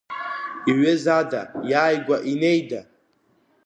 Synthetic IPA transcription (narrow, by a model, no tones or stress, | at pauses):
iɥɪzada̰jaːjɡʷaʔine̞jda